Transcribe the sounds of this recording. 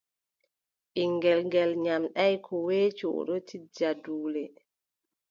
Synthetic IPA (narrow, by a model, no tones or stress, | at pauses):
ʔiŋɡɛlŋɡɛlɲamɗajkʰɔwɛːt͡ʃɔ̰ːɗɔtid͡ʒaduːlɛ